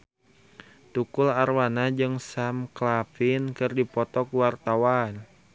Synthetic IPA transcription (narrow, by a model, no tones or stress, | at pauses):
t̪ukʊlarwanad͡ʒɨŋsamklafɪnkɨrdipɔt̪ɔkuwart̪awan